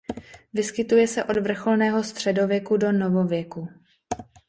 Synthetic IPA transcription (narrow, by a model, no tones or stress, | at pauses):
vɪskɪt̪ujɛsɛʔo̞dvr̩xo̞lnɛːɦo̞st̪r̝̥ɛdo̞vjɛkudo̞no̞vo̞vjɛku